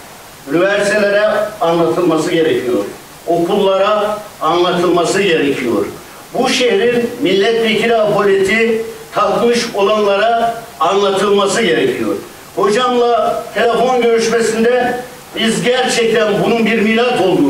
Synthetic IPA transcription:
ynivæɾsit̪ʰelʲeɾɛanlˠat̪ʰɯlˠmasɯɟe̞ɾecʰijo̞̰ɾ | o̞kʰulˠːaɾaːnlˠat̪ʰɯlˠmasɯɟeɾecʰijo̞̰ɾ | buʃeiɾinmilʲːɛt̪vecʰiɾiabolʲet̪ʰit̪ʰakmɯʃo̞lˠanlˠaɾaː | nlˠat̪ʰɯlˠmasɯɟe̞ɾecʰijo̞̰ɾ | ho̞d͡ʒamlˠat̪ʰe̞lʲefonɟø̞ɾyʃmesind̪ɛ | bizɟæɾt͡ʃʰɛc̚t̪ʰænbununbiɾmiːɾaso̞lˠd̪u

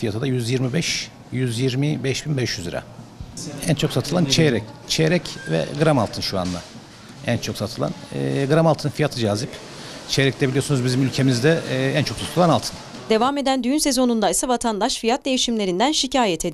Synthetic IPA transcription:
fijat̪ʰad̪ajyzjiɾmibɛʃ | jyzjiɾmibɛʃbinbɛʃjyzḭɾa̰ | ænt͡ʃʰo̞ksat̪ʰɯlˠant͡ʃʰeɾɛct͡ʃʰeɾɛcvɛ̰ɡɯɾamalˠt̪ʰɯnʃua̰nd̪a̰ | ænt͡ʃʰo̞ksat̪ʰɯlˠa̰nɛɡɯɾamalˠt̪ʰɯnɯnfijat̪ʰɯd͡ʒaːzip | t͡ʃʰejɾɛclɛbilʲijo̞sunuzbizimylʲcʰe̞mizd̪ɛænt͡ʃʰo̞ksat̪ʰɯlˠanalˠt̪ʰɯ̥n | d̪e̞vame̞d̪ænd̪yjynse̞zo̞nund̪aisavat̪ʰand̪aʃfijat̪̚d̪e̞jiʃimlʲe̞ɾind̪ænʃicʰaːjɛt̪ʰed̪i

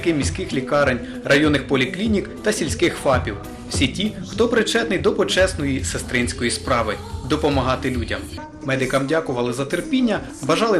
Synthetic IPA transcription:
kɪmʲisʲkɪxlʲikɑɾenʲ | rʔɐjɔnːɪxpɔlʲiklʲinʲikt̪ɐsʲilʲsʲkɪxfɑpʲiw | sʲitʲixt̪ɔpɾɪt͡ʃɛt̪nɪjd̪ɔpɔt͡ʃɛsnɔjisest̪ɾɪnʲsʲkɔjispɾɑʋɪ | d̪ɔpɔmɐɦɑt̪ɪlʲudʲɐm | mɛd̪ɪkɐmdʲakʊʋɐlˠɪzɐt̪erpʲinʲːɐ | bɐʒɑlˠɪ

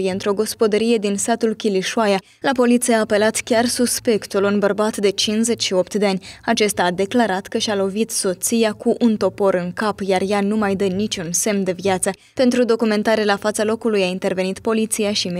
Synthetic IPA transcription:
jeɨnt̪ɾo̞ɡo̞spo̞d̪əɾije̞d̪insat̪ulkʲiliʃuaja | lapo̞lit̪sijaːpe̞lat̪kʲarsuspe̞kt̪ulunbərbat̪d̪e̞t͡ʃinze̞t͡ʃʲʃio̞pt̪d̪eanʲat͡ʃe̞st̪aːd̪e̞klaɾat̪kəʃalo̞vit̪so̞t̪sijakuʔunt̪o̞po̞ɾɨŋkapjarjanumajd̪ənit͡ʃʲunse̞md̪e̞vjat̪sə | pe̞nt̪ɾud̪o̞kume̞nt̪aɾelafat̪salo̞kulujaint̪e̞rve̞nit̪po̞lit̪sijaʃim

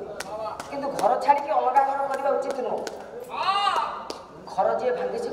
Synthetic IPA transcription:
kint̪uɡʱɔɾɔt͡ʃʰaɽikiɔnɔkaɡʱɔɾɔɾkɔɾibaut͡ʃʰit̪ʰnɔ | ɡʱɔɾɔd͡ʒiebʱaŋɡit͡ʃʰi

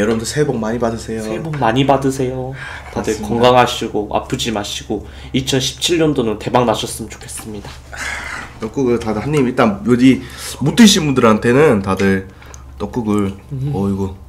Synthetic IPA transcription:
jʌɾʌbndʰsʰebʌŋmaɲibadɯsʰe̞joomaɲibadɯsʰe̞jo | tadɯɭkʌŋɡaŋɦaɕʰiɡoʔa̰pʰɯd͡ʑimaɕʰiɡ̥o | it͡ɕʰʌnɕʰi̥p̚t͡ɕʰiɭɲʌndonɯnte̞baŋnaɕʰʌs͈ɯmɯnt͡ɕo̥kʰe̞s͈ɯmɲida | tʌk͈uɡɯɭtadɯhanːimiɭt͈anjoɡimut͈ʰɯɕʰinbundɯɾɦantʰe̞nɯntadɯɭ | t͈ʌk͈ɯɡɯɭʌiɡo

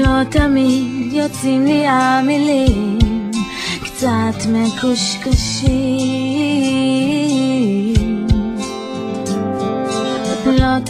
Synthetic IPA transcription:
lot̪amidjot͡simliamili | kt͡sat̪mekuʃkaʃi | lot̪

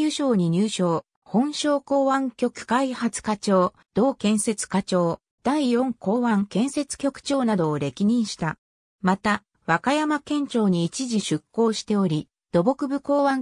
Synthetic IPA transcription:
ɯɕo̞ːɲ̟iɲ̟ɨːɕo̞ː | hõ̞ɰ̃ɕo̞ːko̞ːβãŋkʲo̞kɯ̟̥kaihat͡sɨ̥kat͡ɕo̞ː | d̪̥o̞ːkẽ̞ɰ̃se̞t͡sɨ̥kat͡ɕo̞ː | d̪̥aijõ̞ŋko̞ːβãŋkẽ̞ɰ̃se̞t͡sɨ̥kʲo̞kɯ̥t͡ɕo̞ːnad̪o̞ːɾe̞kʲiɲ̟ĩɰ̃ɕi̥t̪a | mat̪a | βakajamakẽ̞ɲt͡ɕo̞ːɲ̟iːt͡ɕiʑiɕɨkːo̞ːɕi̥t̪e̞o̞ɾʲi | d̪̥o̞bo̞kɯ̟bɯ̟ko̞ːβãŋ

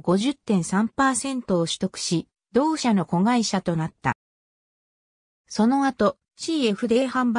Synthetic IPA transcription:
ɡo̞ʑɨt̪ːẽ̞ɰ̃sãmpaːsẽ̞nt̪o̞ːɕɨ̥t̪o̞kɯ̟̥ɕi | d̪o̞ːɕano̞ko̞ɡaiɕat̪o̞nat̪ːa̰ | so̞no̞at̪o̞ | t͡ɕiːe̞ɸɯ̟d̪e̞ːhãmba

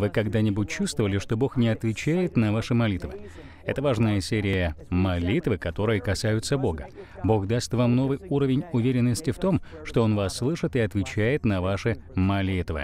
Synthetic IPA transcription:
vɨkɐɡd̪anʲɪbʊt̚ʲt͡ɕːust̪vəvəlʲɪʂt̪o̞bo̞xnʲɪɐt̪vʲɪt͡ɕæjɪt̪nɐvaʂɨmɐlʲit̪vɨ̰ | ɛ̰t̪əvaʐnəjəsʲeɾʲɪjəmɐlʲit̪vɨkɐt̪o̞ɾɨjəkɐsajʊt̪səbo̞ɡəbo̞xd̪ast̪vamno̞vɨjuɾəvʲɪnʲʊvʲeɾʲɪnːəsʲtʲɪft̪o̞mʂt̪o̞onvasːlˠɨʂɨt̪ɨɐt̪vʲɪt͡ɕæjɪt̪nɐvaʂɨmɐlʲit̪vɨ̰

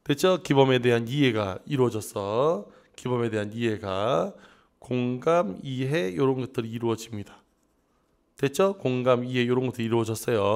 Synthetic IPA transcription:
twe̞t͡ɕʰʌkibʌme̞de̞ɦaniɦe̞ɡaiɾuwʌd͡ʑʌs͈ʌ | kibʌme̞de̞ɦaniɦe̞ɡa | koŋɡamiɦe̞joɾʌɯnɡʌt̚t͈ɯɾiiɾuʌd͡ʑimɲidḁ | twe̞t͡ɕʰʌkoŋɡamiɦe̞joɾʌnɡʌt͈ɯɾiɾuʌd͡ʑʌs͈ʌjo

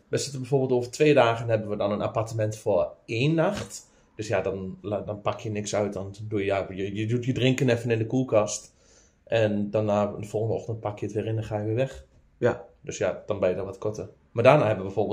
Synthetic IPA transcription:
ʋɛsɪtəbɛjforbɪlˠtoːvərtʰʋeːdaːɣənhɛbənʋədɔnəna̰partəmɛntfoeːnːaxt | d̥øsjadɔndɔnpakjənɪksœɥt̚dɔndujjajəjədutjədrɪŋkənɛfənɪndəkuəkast | ʔɛndanaːɪndəfolˠxəndəɔxtənt̚pakjəətʋɪːɾɪnɛnxaːjəʋɪːʋɛx | døsjad̥ɔnbɛjədɔnʋɔtkʰotə | madaːnahɛbəʋəbɛforbɪ

